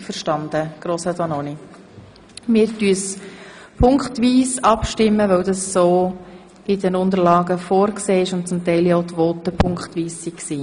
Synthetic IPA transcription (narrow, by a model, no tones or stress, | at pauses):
fəɾʃtɑnd̥̪əɡ̥ɾoːsədɑnoni | mɪːɾtyəs | pʰʊŋkχtʋiːsɑpʃtɪmːəʋœwdɑsːo̥ː | idɛnʊnd̪əɾlɑːɡəfoːɾkseːɪʃʊntt͡sʊmtɛɪlioʊt̪ʋoːtəpʰʊŋkχtʋiːsːiksiː